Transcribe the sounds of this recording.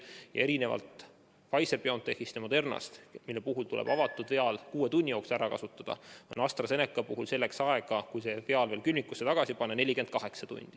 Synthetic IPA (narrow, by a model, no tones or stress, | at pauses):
jɑ̰eɾine̞vɑ̰lt̪ | vɑjsebeo̞nt̪ːehist̪emod̪e̞rnɑ̰st̪milːe̞puɦult̪ulḛb̥ɑvɑt̪ːˑud̪ve̞ɑlkuːe̞t̪unʲːijo̞ːksæɾɑkɑ̰sut̪ːˑɑd̪̥ɑ̰onɑst̪rɑse̞nekːˑɑpuɦulse̞lːe̞ksɑeɡ̥ɑkujse̞ve̞ɑlve̞ːlkylʲmikːˑusːe̞t̪ɑɡ̥ɑsipɑnːene̞lʲːike̞nd̪̚kɑɦe̞ksɑt̪ṵnʲd̪̥i